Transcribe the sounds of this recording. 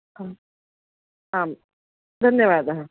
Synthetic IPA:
ɦã | ɦaːm | d̪ʱɐnjəʋaːd̪ɦã

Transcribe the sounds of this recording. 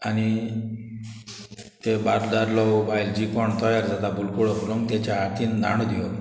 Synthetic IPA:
añi | t̪ebaɾd̪aɾlɔwbajld͡ʑikɔɳt̪ɔjaɾd͡zad̪abulkuɽɔpuloŋɡt̪at͡ɕaat̪ind̪ʱa̰ɽ̃od̪ijɔ

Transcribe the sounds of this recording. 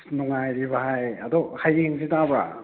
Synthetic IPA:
nuŋajɾibaɦajɐdɔhajeŋsitabɾa̰

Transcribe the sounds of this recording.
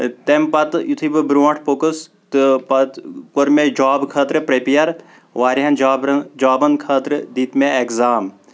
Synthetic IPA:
t̪empɐt̪jut̪ʰibɨbɾuɐ̃ɳʈʰpokəs | t̪ɨpɐt̪koɾmed͡ʒaːbkʰɐːt̪ɾɨpɾepijɐɾ | ʋaːɾiɦɐnd͡ʒd͡ʒaːbɐnkʰɐːt̪ɾɨd̪iːt̪meekzaːm

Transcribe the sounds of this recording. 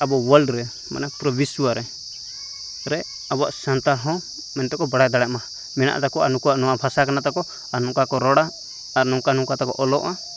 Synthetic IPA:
abɔwəlɖɾɛ | ma̰napɾɔbiswaɾɛ | ɾɛ | aba̰ʔsant̪aɦɔ̃ | mɛnt̪ɔkɔbaɽajd̪aɽaʔma | mɛna̰ʔt̪akɔanukuwaʔnɔwabʱasakanat̪akɔ | aɾnɔkakɔɾɔɽaː | ɾnɔŋkanɔŋkat̪akɔ̰ʔɔlɔʔa

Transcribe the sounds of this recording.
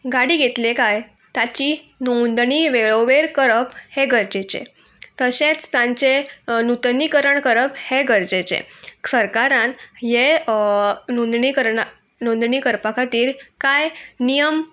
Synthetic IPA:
ɡaɽiːɡet̪lekaj | t̪at͡ɕiː | nond̪ɳiːʋeɭoʋeɾkəɾəpheɡəɾd͡ʑet͡ɕḛ | t̪əɕẽt͡st̪ãɲt͡ɕenut̪nikəɾəɳkəɾəpheɡəɾd͡ʑet͡ɕḛsəɾkaɾãnje | nõnd̪ɳikəɾɳ | nõnd̪ɳiːkəɾpakʰat̪iːɾkajnijəm

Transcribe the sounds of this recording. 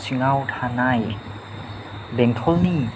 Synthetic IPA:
siŋawtʰanaj | bɛŋtʰɔlni

